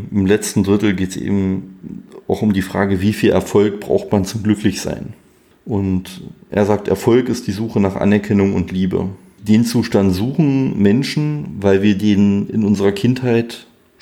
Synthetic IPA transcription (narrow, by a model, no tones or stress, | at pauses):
ɪmlɛt͡stn̩dʁɪtl̩ɡeːtsʔḛːbm̩ | aʊxʊmdiːfʁ̥a̰ːɡəviːfiːlʔɛ̰ɐfɔlk̚b̥ʁa̰ʊxtmant͡sʊmɡlʏklɪçz̥a̰ɪn | ʔʊntʔḛːɐzaːk̚tɛ̰ɐfɔlkɪst̚d̥iːzuːxənaːχʔa̰nɛɐkʰɛnʊŋʊ̰ntʰliːbə̰ | d̥eːnt͡suːʃtantz̥uːχn̩mɛnʃn̩vaɪlviːɐdeːnɪ̰nʔʊnzəʁɐkʰɪnthaɪt